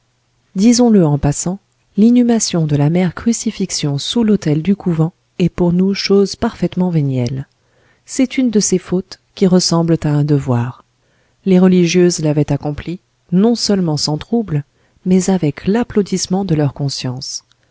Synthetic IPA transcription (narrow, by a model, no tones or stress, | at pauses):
d̪izɔ̃ləɑ̃pasɑ̃ | linymasjɔ̃d̪əlamɛʁkχysifiksjɔ̃sulot̪ɛld̪ykuvɑ̃ | ɛpuʁnuʃozpaʁfɛt̪mɑ̃venjɛl | sɛt̪ynd̪əsefot̪ | kʲiʁəsɑ̃blt̪aɛ̃d̪əvwaʁ | leʁəliʒjøzlavɛt̪akɔ̃pli | nɔ̃sœlmɑ̃sɑ̃t̪χubl | mɛzavɛklaplod̪ismɑ̃d̪əlœʁkɔ̃sjɑ̃s